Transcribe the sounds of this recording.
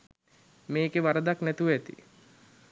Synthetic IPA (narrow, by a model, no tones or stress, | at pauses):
meːkeʋaɾəd̪aknɛt̪uʋɛt̪ḭ